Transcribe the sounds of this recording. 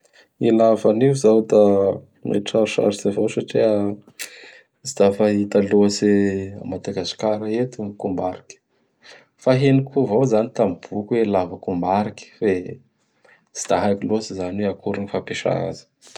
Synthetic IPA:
ilavaniuzawd̪a | nḛʈ͡ʂaɾuʃa̰ɾisavowsaʈ͡ʂia | zid̪afaɦit̪aluasea̰mad̪aɡasi̥kaɾaet̪ikumbaɾikʲə̥ | faɦenikʰuvowzanit̪amb̥ukwelavakumbaɾikʲə̥fe | z̥i̥d̪̥aɦajkilosizanweakuɾinifapeʃa̰a̰zi̥

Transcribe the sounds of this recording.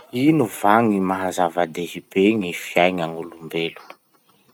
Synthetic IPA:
inuvaŋimaɦazavad̪eɦib̥eŋifiajŋaŋulumbelu̥

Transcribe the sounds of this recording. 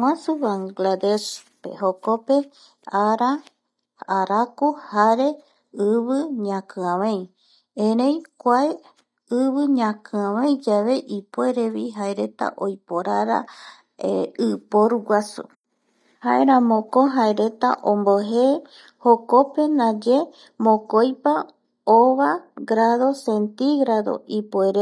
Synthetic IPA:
wãsuβaŋɡlad̪eʃpe̞̰ɦo̞ko̞pe̞ | aɾa | aɾakuhaɾe̞ | ɨβɨɲãkɨ̃ãβẽj̃ | ẽɾẽjkʷae | ɨβɨɲãkɨ̃ãβẽjd͡ʒaʋe̞ʔipoeɾe̞βiɦaeɾe̞t̪a̰ʔo̞jpoɾaɾa̰ | eɨpoɾuɡʷasṵ | haeɾ̃ãmõkoɦaeɾe̞t̪a̰ʔõmboɦe | hoko̞pe̞nãd͡ʒe | mõkojpa | oβaɡɾaðo̞sent̪iɡɾaðo̞̰ʔipoeɾe

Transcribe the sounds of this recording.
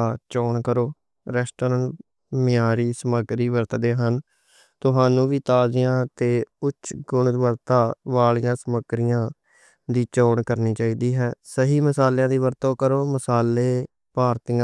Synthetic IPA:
t͡ʃoːɳkəɾoː | ɾɛːsʈoːɾən | mɪjaːɾiːsəməɡɾiːʋəɾt̪ːd̪eːɦən | t̪ʊɦaːnũːʋiːt̪aːd͡ʒɪjãːt̪eːʊt͡ʃːʃʰɡʊɳd̪ʋəɾt̪aːʋaːɭɪjãːsəməɡɾɪjãː | d̪iːt͡ʃoːɳkəɾniːt͡ʃaːiːd̪iːɦɛːsəɦiːməsaːljãːd̪iːʋəɾt̪õːkəɾoːməsaːleː | paːɾt̪ɪjã

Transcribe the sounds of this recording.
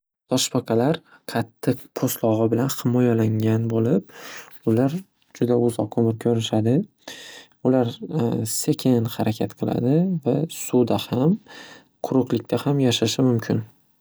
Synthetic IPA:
d̪ʰɒʃpʰaqʰɑlaɾ | qʰɑt̪ʰːɪqpʰost̪lˠɒʁɨbɪlanhɪmɒjalaŋʲanbolɪp̚ʊlaɾ | d͡ʒʊd̪aʊzɒq̚kʰːɵmɪɾkʲʰɵɾɪʃad̪ɪ | ʊlaɾse̞kʲʰɪnhaɾakʲʰat̪qʰɨlˠa̰d̪ɪvasud̪aham | qʰʊɾʊqlɪkʲt̪ʰahamjaʃaʃɪmʊmkʲʰɪn

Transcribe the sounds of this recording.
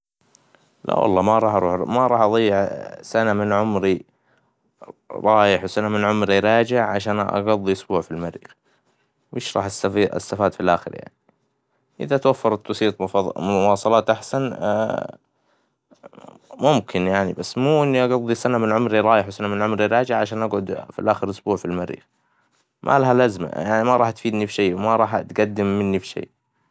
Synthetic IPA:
la̰wɑ̰lˤːɑmaɾˤɑːħɑɾuːħmaɾˤɑːħʔɑðˤɑjːɪʕsanamɪnʕʊmɾi | ɾˤɑːjɪħwsanamɪnʕʊmɾiɾˤɑːd͡ʒɪʕʕaʃaːnʔɑ̰ɡɑðˤːiʔʊsbuːʕfilmaɾḭ | mɪːʃɾˤɑ̰ːħasafiːɪ̰st̪ːafaːd̪filʔaːxɪ̰ɾja̰ʕni | ʔɪ̰ðat̪wafːɑɾˤt̪ːɑsiːt̪ˤʊwɑːsˤɑlɑːt̪ʔaħsan̰ | mʊmkʰɪnjaʕnibasːmuːʔɪnːiʔɑɡɑðˤːisanamɪnʕʊmɾiɾˤɑːjɪħwsanamɪnʕʊmɾiɾˤɑːd͡ʒɪʕʕaʃaːnʔaɡʕʊd̪fḭlʔaːxɪɾʔʊsbuːʕfilmaɾːḭːx | mʔa̰laɦalazma̰jaʕnimaɾˤɑːħt̪fiːd̪nifiʃeːwmaɾˤɑːħat̪ɡad̪ːɪmːɪnːifi̥ʃḛː

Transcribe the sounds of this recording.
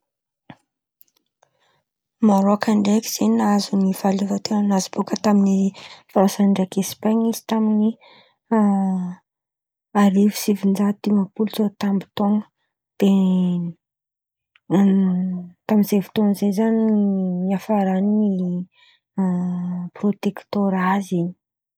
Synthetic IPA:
maɾoakaɳɖ͡ʐeki̥z̥enazunivalivat̪ewanazib̥okət̪aminifaasanɳɖ͡ʐakespaɲizi̥t̪amini | aɾivi̥sivind͡ʒat̪imapulzot̪ambi̥t̪oŋə̥ | d̪̥e | t̪amiz̥evi̥t̪oŋəzezaniniafaɾanini | prot̪ekt̪oɾazini̥

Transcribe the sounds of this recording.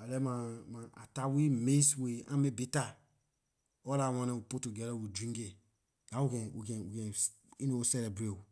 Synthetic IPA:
alɛmãmãa̰tawimesweã̰mebita | ɔlawãnɛ̃wupotuɡɛɾɔwudɾĩŋɡe | ɡawukɛ̃ṵkɛ̃ukɛ̃ | ĩnoosɛlɛbɾeu

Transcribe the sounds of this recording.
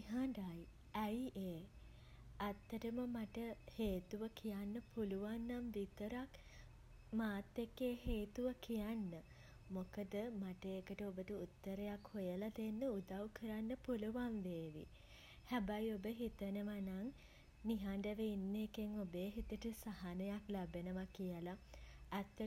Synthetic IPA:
niɦaɳɖaj | æjʔeː | at̪ːəʈəməmaʈəheːt̪uʋəkʰijanːəpuluʋanːamʋit̪əɾak | maːt̪ːekːeːɦeːt̪uʋəkʰijanːə | mokəd̪əmaʈəekəʈəobətəut̪ːəɾejakhojəlat̪enːəud̪awkʰəɾanːəpuluʋanʋeːʋḭ | hæbajobəɦit̪ənəʋanaŋ | niɦaɳɖəʋeinːekeŋobeːɦit̪əʈəsaɦanəjaklabenəʋakijəlaː | t̪ːə

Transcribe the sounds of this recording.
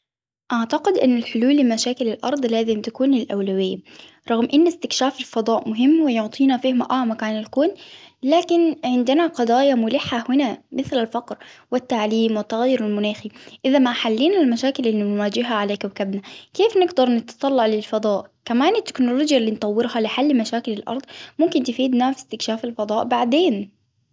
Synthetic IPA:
ʔaʕt̪aqɪd̪ʔɪnːɪlħʊluːlːɪmaʃaːkɪlɪlʔɑ̰ɾˤd̪ˤlaːzɪmt̪akuːnɪlʔa̰wlawɪjːa | ɾˤɑɣmʔɪnːɪst̪ɪkʃaːfɪlfɑd̪ˤɑːʔmʊɦɪmːwɪjʊʕt̪ˤiːnafiːhmaʔaʕmakaːnalkuːnlaːkɪnʕɪnd̪ɪnaqɑd̪ˤɑːjamʊlɪħːahʊnamɪθlalfɑqɾwɪt̪ːaʕliːmwɪt̪ːaɣajːʊɾalmʊnaːxiʔɪðamaħalːiːnalmaʃaːkɪlʔɪlːinwaːd͡ʒɪɦaʕalakawkabnakeːfnɪɡd̪ɑɾˤnɪt̪t̪ˤɑlːɑʕlɪlfɑd̪ˤɑːʔkamaːnɪt̪ːɪ̥knʊloːd͡ʒjalːiːnt̪ˤɑwːɪɾhalɪħalːmaʃaːkɪlɪlʔɑ̰ɾˤd̪ˤmʊmkɪnt̪ɪfiːd̪naːfst̪ɪkʃaːfalfɑd̪ˤɑːʔbaʕd̪eːn

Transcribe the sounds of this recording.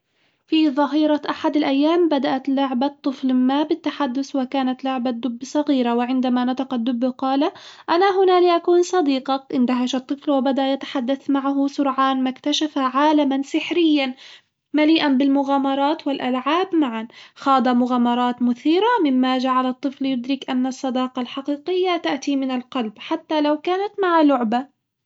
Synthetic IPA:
fiðˤɑɦiːɾˤɑʔaħad̪alʔajːaːmbad̪aʔat̪lʊʕbat̪ˤːɨflmaːbɪt̪ːaħad̪ːʊswɪkaːnat̪lʊʕbad̪ːʊbːsˤɑɣiːɾawɪʕɪnd̪amanat̪aqɑd̪ːʊbqɑːlaʔanaɦʊnaliʔakuːnsˤɑd̪iːqɑkʔɪnd̪aɦaʃɑt̪ˤːɨflwɪbad̪aʔjat̪ḁħad̪ːaθmaʕaɦʊsʊɾʕaːnmakt̪aʃafaʕaːlamansɪħɾɪjːan | maliːʔanbɪlmʊɣaːmɑɾˤɑːt̪wɪlʔalʕaːbmaʕanxɑːd̪ˤɑmʊɣaːmɑɾˤɑːt̪mʊθiːɾamɪmːad͡ʒaʕalɑt̪ˤːɨfljʊd̪ɾɪkʔanːɑsˤːɑd̪ɑːqɑlħaqiːqɪjːat̪aʔt̪imɪnalqɑlbħat̪ːalawkaːnat̪maʕalʊʕba

